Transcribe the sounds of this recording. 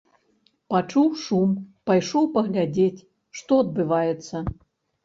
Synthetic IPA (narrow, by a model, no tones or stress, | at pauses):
pat͡ʂuwʂumpajʂɔwpɐɣlʲad͡zʲet͡sʲ | ʂt̪ɔɐd̪̚bɨvajɛt̪sːɐ